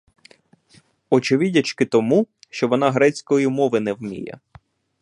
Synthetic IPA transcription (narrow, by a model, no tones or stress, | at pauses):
ɔt͡ʃɪʋɪdʲɐt͡ʃkɪt̪ɔmuʃt͡ʃɔʋɔnɑɦɾɛt͡sʲkɔjimɔʋɪnɛwmʲḭjɛ̰